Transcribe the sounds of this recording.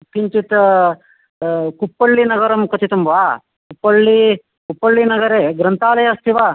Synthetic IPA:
kiɲt͡ʃit̪ɐ | kupːɐɭːinɐɡɐɾɐmkɐt̪it̪umʋaː | kupːɐɭːi | kupːɐɭːinɐɡɐɾeːɡɾɐnt̪aːlɐjɐst̪ʰiʋaː

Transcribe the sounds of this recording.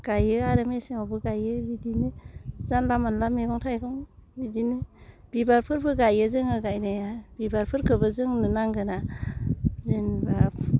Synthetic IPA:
ɡ̥ajɯaɾɯmesiawbɯɡajɯbidinɯzanlamanlameɡɔŋtʰajɡʰɔŋbidinɯb̥ibaɾpʰɯɾbʰɯɡajɯzɯŋɯɡajnajabibaɾpʰɯɾkʰɯbɯzɯŋnɯnaŋɡɯna | zɯnba

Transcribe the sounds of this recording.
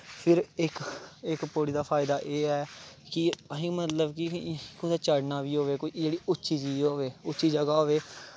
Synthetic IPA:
pʰɪɾɪkɪkpoːɽiːd̪aːpʰaːɪd̪aːʔeːɛːkɪɦɪmət̪ləbkɪkõd̪aːt͡ʃəɽnaːʋiːɦoːʋeːkoid͡ʒeːɽiːʊtːʃiːd͡ʒiːoːʋeːʊtːʃiːd͡ʒəɡaːɦoːʋeː

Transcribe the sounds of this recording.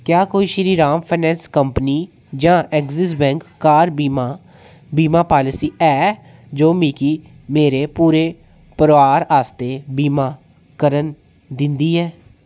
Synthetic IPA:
kjaːkoːiːʃɾiːɾaːmpʰaːnɛ̃ːnskəmpniː | d͡ʒãːʔɛkzɪs̬bɛ̃ːŋkːaːɾ | biːmaːpaːlɪsiːʔɛː | d͡ʒoːmiːkiː | meːɾeːpuːɾeː | pəɾʋaːɾaːst̪eːbiːmaː | kəɾən | d̪ɪ̃nd̪iːɦɛː

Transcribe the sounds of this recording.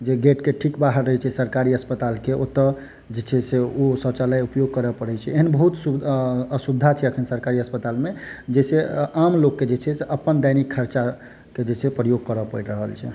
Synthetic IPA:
d͡ʒeɡeʈkeʈʰikbaɦəɾːəɦɛt͡ʃʰɛsəɾkaɾiəspət̪alkeot̪ːə | d͡ʒet͡ʃʰɛseosə̃t͡ʃaləjupjoɡ̚kəɾəpəɽɛt͡ʃʰɛeɦənbəɦut̪suəsubd̪ʱat͡ʃʰɛəkʰənsəɾkaɾiəspət̪almed͡ʒeseamlokːed͡ʒet͡ʃʰɛseʔəpənd̪ajnikʰːəɾt͡ʃa | ked͡ʒet͡ʃʰɛpɾəjoɡ̚kəɾəpəiʈɾəɦəlt͡ʃʰɛ

